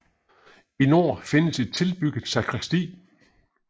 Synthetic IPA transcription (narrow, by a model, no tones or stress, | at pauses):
ino̝̰ːfe̝nəse̝d̥̚t͡sʰe̝lb̥yɡ̥ð̩ˠsɑ̈kʰʁɛsd̥ḭː